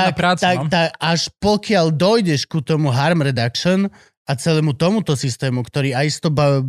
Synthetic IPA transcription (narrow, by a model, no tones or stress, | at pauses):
akat̪akt̪akaʃpɔkɪaʎd̪ɔjɟɛʃkut̪ɔmuɦaɾmɾɛd̪akʃɔn | at͡sɛlɛːmut̪ɔmut̪ɔsist̪ɛːmukt̪ɔɾiːajist̪ɔba